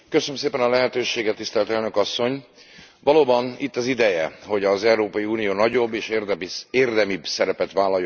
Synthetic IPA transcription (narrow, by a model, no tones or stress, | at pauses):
køsønømseːpɛnɒlɛɦɛt̪øːʃeːɡɛt̪ːist̪ɛlt̪ɛlnøkɒsːo̞ɲʋɒloːbɒnit̪ːɒzid̪ɛjɛho̞ɟɒzɛuɾoːpɒjiuːnijoːnɒɟo̞bːeːʃreːrd̪ɛmibsɛɾɛpɛt̪ʋaːlɒjo